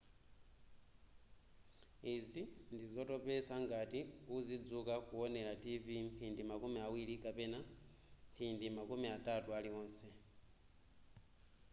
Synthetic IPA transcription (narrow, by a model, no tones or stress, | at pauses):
izindizo̞topesaŋɡatiuzid͡zukakuwone̞lativimpʰiːndimakumiawilikapena | mpʰindimakumiatatualiwoːnse